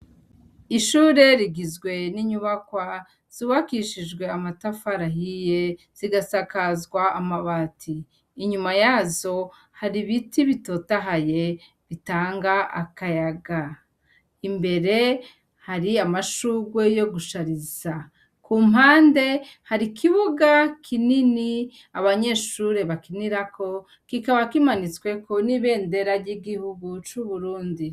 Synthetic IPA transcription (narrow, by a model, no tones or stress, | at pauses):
iʃuːɾe̞ɾiɡizɡwe̞niɲuβakwa | z̥uːβakiʃid͡ʒɡwe̞amatafaɾaɦije̞ | z̥iɡasakazɡwaːmaβatʰiː | ɲumajaːzo̞ | haɾiβitiβito̞taɦaje̞ | βitaːŋɡaa̰kajaɡa | imbe̞ɾe̞ | haɾiamaʃuːɡwe̞jo̞ɡuʃaɾiza | kuːm̥ɦaːnde̞haɾikʰiβuɡakʰinini | aβaɲe̞ːʃuɾe̞βakiniɾako̞ | kikaβakimanit͡swe̞ko̞niβe̞ːnde̞ɾaɾɟiɡihuɡut͡ʃuβuɾuːndi